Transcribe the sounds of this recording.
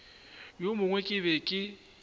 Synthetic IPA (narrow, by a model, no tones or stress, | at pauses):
jomʊŋwɛkʼɪβɛkʼɪ